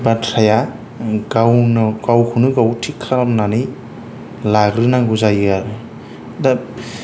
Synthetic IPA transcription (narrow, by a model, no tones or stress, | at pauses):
batʰɾaja | ɡawnɡ̥awkʰunɯɡawtʰikʰːaɾamnanij | laɡɾɯnaɡuzajɯaɾɯ | da